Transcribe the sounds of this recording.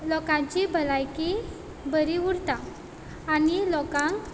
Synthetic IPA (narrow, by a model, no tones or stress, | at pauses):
lɔkãt͡ɕibʱəlajki | bəɾiuɾt̪aː | nilɔkãŋk